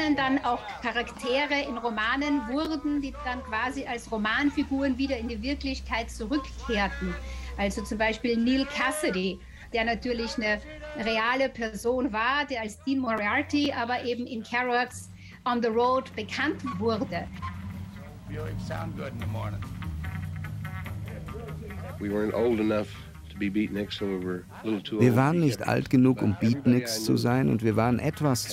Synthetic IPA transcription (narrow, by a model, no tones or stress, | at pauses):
nəndanaʊxkʰaʁaktʰeːʁəɪnʁomaːnənvʊʁdn̩diːd̥ankv̥aːziʔalsʁomaːnfiɡuːʁənviːdɐɪndiːvɪɐklɪçkʰaɪt̚t͡suʁʏkkʰːeːɐtn̩ʔalzot͡sʊmbaɪʃpiːlniːlkʰasədi | d̥eːɐnatʰyːɐlɪçnə | ʁeaːləpʰɛɐzoːnvaːɐdeːɐalsd̥iːnmɔʁiatiʔaːbɐʔeːbm̩ʔɪnkʰɛʁɔks | ʔɔnðəʁoːdb̥əkʰantv̥ʊdə | ã̰nʊnəɔ̃ŋ | wiwɜ̃˞ntoʊlˠdənʌf | ttʰəbibiʔnɪksoiwə˞ | lɪɾl̩ˠtʰuviːɐvaːʁənːɪçtʔa̰ltɡ̥ənuːkʊmbiːtnɪkst͡sṵzaɪnʊ̰ntv̥iːɐvaːʁənʔɛtv̥as